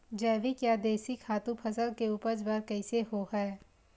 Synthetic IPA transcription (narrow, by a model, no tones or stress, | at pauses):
d͡ʒɛːʋikjaːd̪eːsikʰaːt̪ũpʰɐsəlkeuːpəd͡ʒbəɾkɛɪseɦohɛː